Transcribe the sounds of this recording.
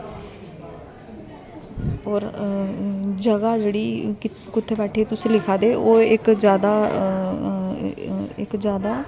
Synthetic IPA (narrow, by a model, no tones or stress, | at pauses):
ɔːɾ | d͡ʒəɡaːd͡ʒeːɽiː | kʊt̪ʰːeːbɛːʈʰeːt̪ʊsĩːlɪkʰaːd̪eːʔoːɪkzjaːd̪aː | ɪkd͡ʒjaːd̪aː